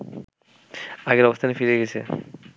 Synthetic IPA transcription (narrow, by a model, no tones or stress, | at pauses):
aɡeɾɔbost̪ʰanefiɾeeɡet͡ɕʰḛ